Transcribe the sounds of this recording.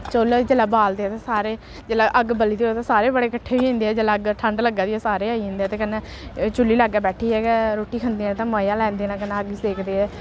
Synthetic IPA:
t͡ʃold͡ʒelaːbaːld̪eːɛːt̪eːsaːɾeː | d͡ʒeːlaːʔəɡbəliːd̪eːɦoːt̪aːsaːɾeːbəɽeːkəʈʰːeːʋiːɪ̃ːnd̪eːɛːd͡ʒelaːəɡʈʰə̃ɳɖləɡaːd̪iːɛːsaːɾeːaːiːɦẽːnd̪eːɛːt̪eːkənːẽː | t͡ʃʊlːiːlaɡːaːbɛːʈʰiːɦɛːkɛɾoːʈiːkʰənd̪iːɛ̃ːt̪ãːmaːjãːlɛ̃ːnd̪eːnãːkənɛːəɡseːkʰd̪eːɦɛː

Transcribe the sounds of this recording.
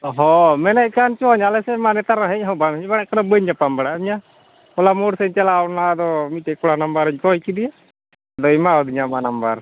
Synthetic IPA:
ɦɔmɛnaʔkant͡ʃɔɲalɛsɛmanɛt̪aɾãɦɛɲɦɔbamɛɲbaɽaʔkanɔbəɲapambaɽaɲa | ɔlamoɽsɛɲt͡ʃɛlawnad̪ɔmiʈɛkɔɽanəmbəɾəɲkɔjkid̪ija | d̪ɔmaɔd̪iɲamanəmbəɾ

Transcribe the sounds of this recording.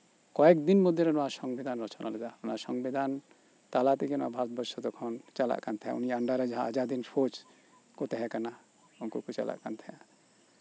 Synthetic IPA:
kɔɛkd̪inmɔd̪ʱjɔɾɛnɔwasɔŋɡbid̪ʱanɾɔt͡ʃɔnalɛd̪aɔnasɔŋbid̪ʱan | t̪alat̪ɛkɛnɔabʱaɾɔt̪̚bɔɾʃɔd̪ɔkʰɔnt͡ʃala̰ʔkant̪ʰɛɦã̰uniaaɳɖaɾɛd͡ʒaɦãad͡ʒad̪insot͡ʃ | kɔt̪ɛɦɛ̃kana | ɔnkukut͡ʃa̰la̰ʔkant̪ʰɛa

